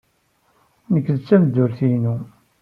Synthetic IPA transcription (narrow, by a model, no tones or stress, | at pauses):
nəkːðt͡sːæməd̪ːʊɾθinu